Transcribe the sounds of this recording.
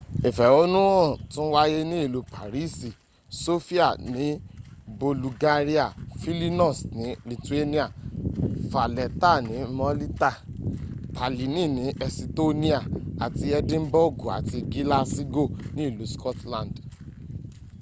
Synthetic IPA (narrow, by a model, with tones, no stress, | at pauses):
i˨fɛ˨o˦nũ˦ɔ̃˦˨tũ˦wa˦je˦nĩ˦i˦˨lu˨˦pa˨ɾi˦si˨ | so˦fi˦a˦˨nĩ˨˦bo˧lu˧ɡa˦ɾi˦a˦˨fi˦li˦nɔ̃˦˨snĩ˨˦li˨tu˨˦e˦nĩ˦a˨ | fa˨lɛ˨ta˦˨nĩ˨˦mɔ˧li˦ta˦˨ | pʰa˨li˨nĩ˦˨nĩ˨˦ʔɛ˧si˧to˦nĩ˦a˦˨a˨ti˧ɛ˧dĩ˦m˦bo˦ɡo˨a̰˨ti˧ɡi˦la˦si˦ɡo˦˨nĩ˦i˦˨lu˨˦skɔ˦tlã˨nd